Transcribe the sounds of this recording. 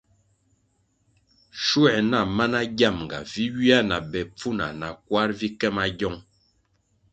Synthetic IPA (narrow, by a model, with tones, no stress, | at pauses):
ʃu˦ɛ˨na˨ma˦na˦ɡa˦˨mŋ˨ɡa̰˨vi˦ɥi˦a˦na˨bɛ˨p͡fu˦na̰˨na˨kwa˦ɾvi˦kɛ˦ma˦ɟɔ˦˨ŋ